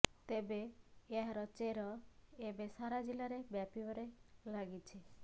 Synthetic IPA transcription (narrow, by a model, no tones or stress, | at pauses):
t̪ebeeɦaɾɔt͡ʃeɾɔebesaɾad͡ʒilaɾebjapibɔɾelaɡit͡ʃʰi